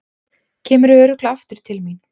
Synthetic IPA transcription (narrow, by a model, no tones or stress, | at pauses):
cʰɛːmʏɾœːɾʏklaft̪ʏɾ̥t̪ʰɪlmin